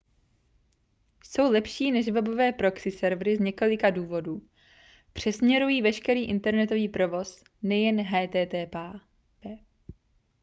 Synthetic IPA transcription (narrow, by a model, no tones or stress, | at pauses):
so̞wlɛpʃiːnɛʒvɛbo̞vɛːpɾoksɪsɛɾvɾɪzɲɛko̞lɪkaduːvo̞duː | pr̝̥ɛsmɲɛɾujiːvɛʃkɛɾiːʔɪnt̪ɛɾnɛt̪o̞viːpɾo̞vo̞s | nɛjɛnɦɛːt̪ɛːt̪ɛːpaː | pɛː